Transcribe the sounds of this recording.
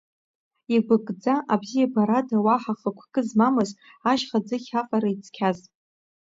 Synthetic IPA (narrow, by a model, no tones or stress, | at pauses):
iɡʷʊkʼd͡zaʔabzijabaɾadawaħaχəkʷʰɡʼɨzmamɨz | aʒχad͡zɨχʲaqʼaɾait͡sʰkʲʰaz